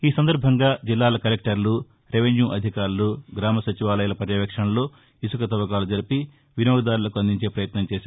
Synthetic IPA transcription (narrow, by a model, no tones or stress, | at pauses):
iːsɐnd̪ɐɾbʱɐŋɡaːd͡ʒilːaːlɐkɐlek̚ʈɐɾlu | ɾeʋenjuːʔɐd̪ʱikaːɾuluɡɾaːmɐsɐt͡ʃiʋaːlɐjɐlɐpɐɾjɐʋɐkʂɐɳɐloː | isukɐt̪ɐʋɐɡaːlud͡ʒɐɾipi | ʋinoːɡɐd̪aːɾulɐkuɐnd̪iɲt͡ʃe̞ːpɾɐjɐt̪nɐmt͡ʃeːsa